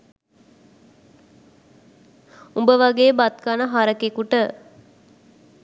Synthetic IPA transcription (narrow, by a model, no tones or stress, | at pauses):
umbəʋaɡeːbat̪̚kanəɦaɾəkekuʈə